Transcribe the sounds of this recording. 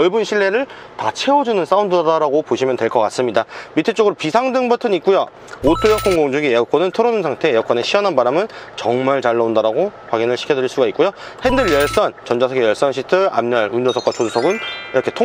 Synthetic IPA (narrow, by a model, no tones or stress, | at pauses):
ʌɭbunɕʰiɭːe̞ɾɯɭ | tat͡ɕʰe̞ʌd͡ʑunɯns͈aundɯddaɾaɡopoɕʰimjʌntweɭk͈ʌk͈as͈ɯmɲidamitʰet͡ɕ͈oɡɯɾopisʰaŋdɯŋbɯtʰɯɲik̚k͈ujo | otʰujʌkʰoŋɡoŋd͡ʑɯɡieʌk͈ʰonɯntʰɯɾonɯnsʰaŋtʰe̞jʌk͈ʰwʌne̞ɕʰiʌnɦanbaɾamɯnt͡ɕʌŋmaɭt͡ɕaɭːaundaɾaɡokwaɡinɯɭɕʰi̥kʰjʌdɯɾiɭs͈uɡaik͈ujohendɯɭjʌɭs͈ʌnt͡ɕʌnd͡ʑasʰʌɡejʌɭs͈ʌnɕʰitʰɯa̰mɲʌɭund͡ʑosʰʌk͈wat͡ɕodosʰʌɡɯniɾʌkʰetʰo